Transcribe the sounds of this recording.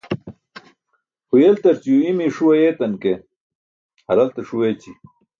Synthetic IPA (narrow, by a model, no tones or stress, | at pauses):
hujelt̪ɐɾt͡ɕijuimiʂuwɐjeːt̪ɐnke | hɐɾɐlt̪ɐʂuwet͡ɕi